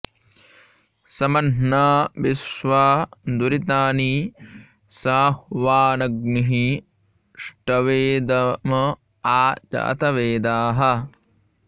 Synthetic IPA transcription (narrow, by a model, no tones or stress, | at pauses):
sɐmɐnnaːʋisʋaːd̪uɾit̪aːni | saːhʋaːnɐɡniɦi | ʂʈɐʋeːd̪ɐmɐ | aːd͡ʒa̰ːt̪ɐʋeːd̪aːɦɐ